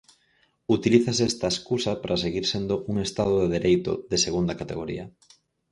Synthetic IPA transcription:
ut̪iliθɐsɛst̪ɐeskusɐpɾʔɐs̬eɣiɾsend̪ʊʔuŋest̪aðoðeðeɾejt̪ʊ̰ðeseɣund̪ɐkat̪eɣoɾḭɐ

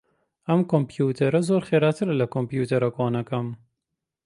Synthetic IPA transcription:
ɐmkompjuːt̪ʰɐɾɐzoːɾxeːɾat̪ʰɨɾlɐkompjuːt̪ʰɐɾɐkɑːnɐkɐm

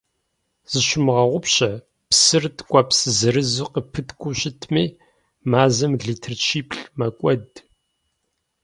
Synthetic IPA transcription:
z̥ɨʃɪmʁɐʁʷʊpɕɐ | psɨrtʰkʷʼɐpsɨzɨɾɨzuqəpʰɨtʰkʷʼʊɕɪtʰmiː | maːzɐmɮitʰɨrt͡ʃʰiːpʰɬmɐkʷʼɔd

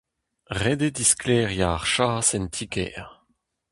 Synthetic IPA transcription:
ʁed̪ed̪isklɛːʁjaʁʃaːsɛnt̪ʰikɛ̰ːʁ

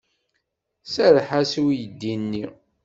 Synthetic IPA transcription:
səɾħasiwijəd̪ːinːi

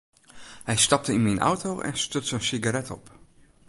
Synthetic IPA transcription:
hɛjstɑp̚təinminʔa̰wtoʔɛ̰nstøtsənsiɡaɾɛtɔ̰p

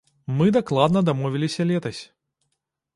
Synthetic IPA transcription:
mɨd̪aklˠad̪nɐd̪amɔvʲilʲisʲɐlʲɛt̪ɐsʲ

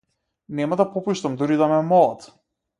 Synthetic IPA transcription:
nɛmad̪apɔpuʃt̪amd̪uɾid̪amɛmɔlˠat̪

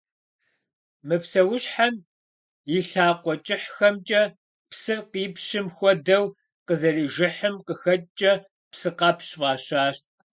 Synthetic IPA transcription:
mɨpsɐwʊɕħam | iɬaːqʷɔt͡ʃʼɪħxɐmt͡ʃʼɐ | psɨrqiːpʰɕɪmxʷɔdɐw | qəzɐriːʒɪħɨmqəxɐtʼt͡ʃʼɐ | psɨqɑːpʰɕvɑːɕaːɕt

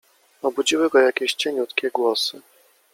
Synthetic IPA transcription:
ɔbud͡ʑiwɘɡɔjakʲɛɕt͡ɕɛɲut̪kʲɛɡwɔsɘ

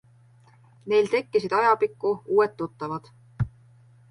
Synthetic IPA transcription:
ne̞jlt̪e̞kːisid̪̥ɑjɑpikːuuːwet̪ːut̪ːɑvɑd̪̥

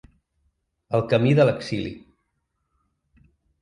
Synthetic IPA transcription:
əlˠkəmiðələksilḭ

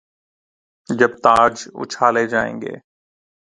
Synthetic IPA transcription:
d͡ʒəbt̪aːd͡ʒʊ̰t͡ʃʰaːleːd͡ʒaːḛ̃ːŋɡḛː

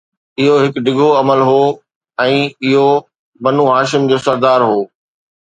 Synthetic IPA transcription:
ɪɦoɦɪkɖɪɡʱoɐməlɦoː | ɛ̃ːɪɦo | bɐnuɦaːʃɪmd͡ʑoːsɐɾd̪aːɾɦoː

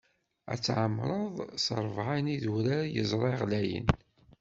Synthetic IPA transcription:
æ̰t͡sːʕəmːɾˤəðˤsəɾˤvʕaniðuɾaɾjəzˤɾˤɑjʁlæjə̰n

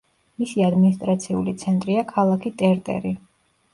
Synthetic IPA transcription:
misiad̪minist̪ʼɾat̪sʰiulit̪sʰɛnt̪ʼɾiakʰalˠakʰit̪ʼɛɾt̪ʼɛ̰ɾi

